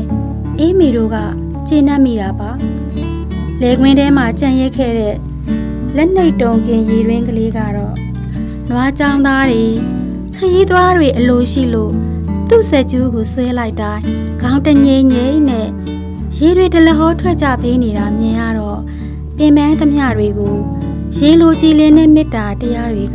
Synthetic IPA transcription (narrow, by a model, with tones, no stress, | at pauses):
ʔe˦me˨ɾo̰˦˨ɡa̰˦˨ | t͡ɕe˦˨na˦˨ʔmḭ˦˨ɾa˨ba˨ | lɛ˨ɡwɪ̃˦ndɛ˦m̥a˨t͡ɕã˦˨jɛ˦kʰɛ̰˦˨ɾɛ̰˦˨ | lɛ˦ʔn̥e˦ɪʔtõ˨ʊ̃ŋkɪ̃˨je˨ɾwɪ̃˦ŋkəle˦ɡä̰˦˨ɾɔ̰˦˨ | nwa˨t͡ɕã˦ʊ̃nd̪a˦dwe˨ | kʰəji˦t̪wa˦dwe˨ʔəlo˨ʃḭ˦˨lo̰˦˨ | t̪ṵ˦˨sɛ˦˨t͡ɕo˦ɡo˨swɛ˦la˦ɪʔtːã˦ɪ̃ | ɡ̥ã˨ʊ̃ntə˨ɲẽ˨ɲẽ˦n̥ɛ̰˦˨ | je˨dwe˨tə˨lə˨ɦɔ˦tʰwɛ˦ʔt͡ɕä̰˦˨pe˦ne˨ɾa˨mjã˨ja̰˦˨ɾɔ˦˨ | pɪ̃˨mbã˦nt̪ə˦mja̰˦˨dwe˨ɡo˨ | je˨lo˨t͡ɕi˨lɪ̃˨nɛ̰˦˨mɪ˦tːa˨təja˦dwe˨a˦